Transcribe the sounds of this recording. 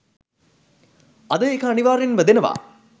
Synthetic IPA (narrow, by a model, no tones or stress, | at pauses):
ɐd̪əekəɐniʋaːɾenʋəd̪enɐʋa̰ː